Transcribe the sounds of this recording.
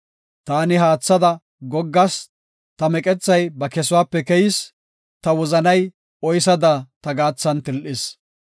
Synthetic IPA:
t̪aːnɪɦaːt͡sːɐd̪ɐ | ɡɔɡːɐs | t̪ɐmɛkʼɛt͡sːɐjbɐkɛsʊwaːpːɛkɛjɪs | t̪ɐwɔzɐnɐj | ɔjs̬ɐd̪at̪ɐɡaːt͡sːɐnt̪ɪlʔɪs

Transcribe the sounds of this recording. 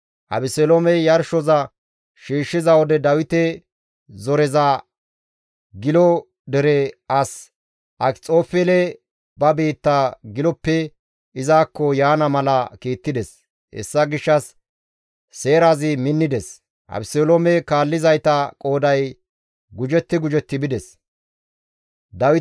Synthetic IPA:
ʔɐ̰bɪsɛlomɛjɐɾʃɔzɐ | ʃiːʃːɪzɐwɔd̪ɛd̪ɐwɪt̪ɛ | zɔɾɛza | ɡɪlɔ | d̪ɛɾɛɐs | ʔɐt͡sʼo̞ːfɛlɛ | bɐbiːt̪ːaɡɪlɔpːɛ | ɪzaːkːɔjaːnɐmɐlɐkiːt̪ːɪd̪ɛs | hɛ̰sːɐɡɪʃːɐsː | e̞ːɾaːzɪmɪnːɪd̪ɛs | ʔɐ̰bselomɛkaːlːɪzɐjt̪ɐkʼo̞ːd̪ɐj | ɡʊd͡ʒɛt̪ːɪɡʊd͡ʒɛt̪ːɪbɪd̪ɛs | d̪ɐwɪ

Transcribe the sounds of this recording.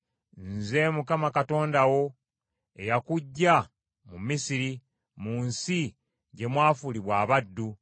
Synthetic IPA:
nze̞mukamakato̞ːndawo̞ | ejakuɟːa | mumisiɾi | munsi | ɟe̞mwaːfuliβwaːβadːu

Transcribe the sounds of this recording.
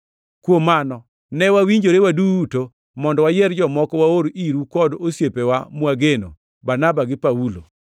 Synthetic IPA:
kwomːanɔ | nɛwawiɲd͡ʒoɾewaduto | mɔndɔwajɛɾd͡ʒɔmɔkɔwaoɾiɾukɔdosjepewamwaɡeno | banabaɡɪpaulo̰

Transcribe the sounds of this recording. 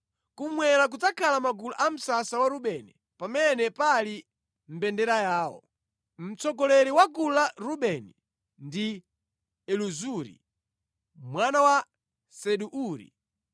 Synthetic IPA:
kumwɛɾak̬ud͡zakʰalamaɡuluʔam̩sasawaɾuɓɛni | pamɛnɛpali | m̩bɛndɛɾajaːwɔ̰ | m̩t͡sɔɡɔlɛɾiwaɡulaɾuɓɛni | ndi | ɛluzuɾḭ | mwanawa | sɛɗuʔuːɾḭ

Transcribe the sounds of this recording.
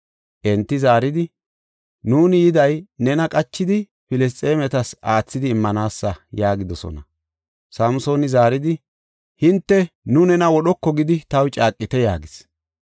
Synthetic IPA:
ʔɛnt̪ːɪzaːɾɪd̪ɪ | nuːnɪjɪd̪ɐjnɛnɐkʼɐt͡ʃːɪd̪ɪ | pɪlɛs̬t̪ʼe̞ːmɛt̪ɐsaːt͡sːɪd̪ɪːmːɐnaːsːɐjaːɡɪd̪ɔsɔ̰nɐ | sɐmʊso̞ːnɪzaːɾɪd̪ɪ | hɪnt̪ːɛnʊnɛnɐwɔɗɔkːɔɡɪd̪ɪt̪ɐwt͡ʃʼaːkʼːɪt̪ɛjaːɡɪs

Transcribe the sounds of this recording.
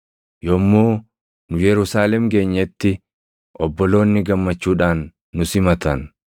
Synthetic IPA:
jɔmːoː | nʊjɛɾʊsaːlɛmɡe̞ːɲːɛt̪ːɪ | ʔɔbːɔlo̞ːnːɪɡɐmːɐt͡ʃːuːᶑaːnː | ʊsɪmɐt̪ɐn

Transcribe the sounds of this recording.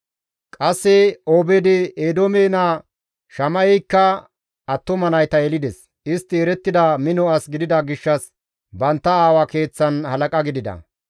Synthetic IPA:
kʼɐsːɪoːbɛd̪ɪeːd̪oːmeːna | ʃɐmɐjɛkːɐ | ɐt̪ːɔmɐnɐjt̪ɐɛlɪd̪ɛs | ɪst̪ːɪɛɾɛt̪ːɪd̪ɐmɪnɔɐsɡɪd̪ɪd̪ɐɡɪʃːɐs | bɐnt̪ːɐaːwɐke̞ːt͡sːɐnhɐlɐkʼɐɡɪd̪ɪd̪ɐ̰

